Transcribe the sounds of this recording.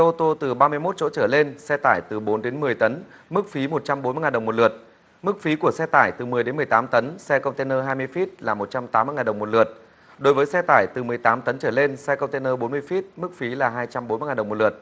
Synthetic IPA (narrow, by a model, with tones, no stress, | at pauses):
ʔo˧t̪o˧t̪ɨ˨˩ɓaː˧mɨ˧əjmo˦˥t̚t͡ɕo̰˧˥t͡ɕəː˧˩le˧nsɛ˧t̪aː˧˩jt̪ɨ˨˩ɓo˨˦nɗe˨˦nmɨ˨˩əjt̪ə˨˦n | mɨ˦˥k̚fi˨˦mo˨˩t̚t͡ɕa˧mɓo˨˦nmɨ˧jŋaː˨˩ɗə˨˩wŋ͡mm˨˩t̚lɨ˨˩ət̚ | mɨ˦˥k̚fi˨˦ku˧˩əsɛ˧t̪aː˧˩jt̪ɨ˨˩mɨ˨˩əjɗe˨˦nmɨ˨˩əjt̪aː˨˦mt̪ə˨˦nsɛ˧kə˧wŋ͡mt̪e˧nəː˧ɦaː˧jmɨ˧əjfi˦˥t̚laː˨˩mo˨˩t̚t͡ɕa˧mt̪aː˨˦mːɨ˧əjŋaː˨˩ɗə˨˩wm˨˩t̚lɨ̰˨˩ət̚ | ɗo˨˦jvəː˨˦jsɛ˧t̪aː˧˩jt̪ɨ˨˩mɨ˨˩əjt̪aː˨˦mt̪ə˨˦nt͡ɕəː˧˩le˧nsɛ˧kə˧wŋ͡mt̪e˧nəː˧ɓo˨˦nmɨ˧əjfi˦˥t̚mɨ˦˥k̚fi˨˦laː˨˩ɦaː˧jt͡ɕa˧mɓo˨˦nm˧jŋaː˨˩ɗə˨˩wmo˨˩t̚lɨ˨˩ət̚